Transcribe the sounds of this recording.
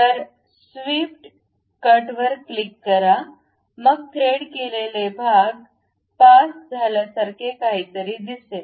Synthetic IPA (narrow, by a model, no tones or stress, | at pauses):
t̪əɾ | sʋiːp̚ʈ | kəɾʈʋəɾkːlikːəɾa | məɡ̚t̪ʰɾeːɽkelelebʱaɡ | paːsd͡zʱaːlasəɾkekaɦit̪əɾid̪ise